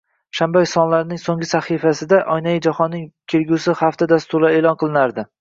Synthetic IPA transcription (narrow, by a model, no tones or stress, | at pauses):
ʃambajsɒnlaɾnɪŋsoŋɡʲɪsaχifasɪd̪aʔɒjnajɪd͡ʒahɒnːɪŋt̪ʲʰeɾɡʲusɪhaft̪ad̪ast̪ʊɾlaeːlˠɒnqʰɨlˠɪnaɾd̪ɪ